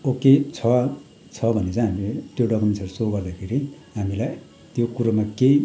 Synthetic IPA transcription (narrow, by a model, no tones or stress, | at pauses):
oket͡sʰʌ | t͡sʰʌbʱʌnːet͡sãĩɦamilet̪joɖʌkumensʌrsoɡʌrd̪akʰeɾi | ɦamilaj | t̪jokuɾamake